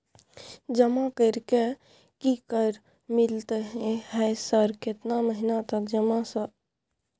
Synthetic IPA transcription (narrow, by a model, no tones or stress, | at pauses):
d͡ʒəmakəɾke | kikəɾ | mɪlt̪eɦɛ̃ɦɛsəɾkɪt̪naməɦinat̪əkd͡ʒəmasə